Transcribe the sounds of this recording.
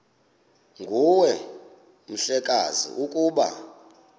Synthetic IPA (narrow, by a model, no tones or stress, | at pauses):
ŋɡʱuwɛ | m̩ɬɛkʼazḭʔukʼuːɓa̰